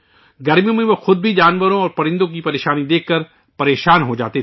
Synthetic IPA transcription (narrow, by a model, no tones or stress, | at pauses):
ɡɐɾmijõmẽʋoxʊd̪̚bʱid͡ʒaːnʋəɾõɔːɾpɐɾɪ̃nd̪õk̬ipɐɾeːʃaːnid̪eːkʰkːɐɾ | pɐɾeːʃaːnɦod͡ʒaːt̪e